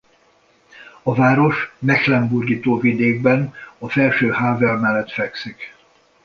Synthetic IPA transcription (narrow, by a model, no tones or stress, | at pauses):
ɒvaːɾo̞ʃmɛxlɛmburɡiːt̪oːvid̪eːɡ̚bɛnɒfɛlʃøːhaːvɛlmɛlːɛt̪fɛksik